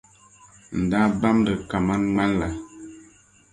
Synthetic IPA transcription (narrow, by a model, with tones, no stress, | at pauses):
n̩˨da˦ba˦m˦də˨ka˨ma˦nŋ͡ma˦lla˨